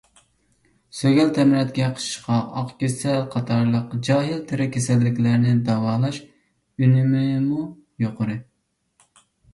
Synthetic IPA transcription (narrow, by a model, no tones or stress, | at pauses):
søɡʲɛlt̪ʰɛmɾɛt̪ɡʲɛqʰə̥ʃɨ̥ʃqɑɑqkʲesɛlqʰɑt̪ʰɑɾlˠəqd͡ʒɑːɦɪlt̪ʰɪɾɪkʲʰesɛlːɪkʲlæɾnɪd̪ɑwɑːlˠɑʃ | ynɪmɪmu | joqʰəɾɨ